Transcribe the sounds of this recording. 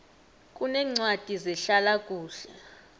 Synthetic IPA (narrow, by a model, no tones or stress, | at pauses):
kʼunɛŋ͡ǀwad̥ʱizɛɬalakʼuːɬɛ